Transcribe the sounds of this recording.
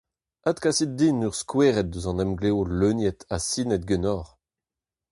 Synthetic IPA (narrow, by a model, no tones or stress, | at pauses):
ad̪kasit̪̚d̪inyʁskweːʁɛt̪̚d̪øzɑ̃nɛmɡleoløːnjɛt̪asinɛt̪̚ɡønɔːʁ